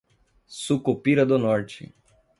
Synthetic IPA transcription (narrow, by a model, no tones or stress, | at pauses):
sukopiɾɐd̪ʊnɔɾt͡ʃɪ̰